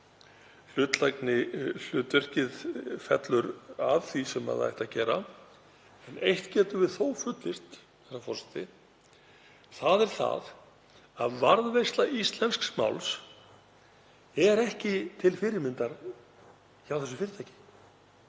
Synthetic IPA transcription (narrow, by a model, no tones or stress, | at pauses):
l̥ʏːt̪laknɪl̥ʏːt̪ʏr̥cɪðfɛ̰t̪lʏɾaðθisɛma̰ða̰jht̪acɛːɾa | ɛnejht̪cɛːt̪ʏvɪðθoːwfʏt̪lɪst̪ | θɛsafɔrsɛ̥t̪ɪ | θaðɛɾ̥θa̰ð | aðvaɾðvejst̪laʔist̪lɛnsksma̰wls | ɛɾɛhcɪt̪ʰɪlfɪɾɪɾmɪnt̪aɾ | çawθɛsːʏ̥fɪːɾɪt̪ʰajcɪ̥